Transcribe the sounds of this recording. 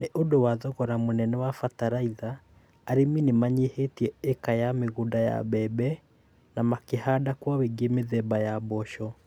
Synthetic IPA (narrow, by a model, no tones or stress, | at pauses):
neʔodowaðɔɣɔɾamonɛnɛwafataɾaiðaː | ɾeminemaɲehetiɛɛkajameɣundaja̰βɛbɛ | namakehadakwaweɡemeðɛbajabɔʃɔ